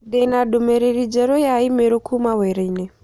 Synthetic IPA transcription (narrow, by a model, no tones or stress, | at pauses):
dɛnaɗomɛɾeɾid͡ʒɛɾojaimeɾokʰumawɛɾɛinɛ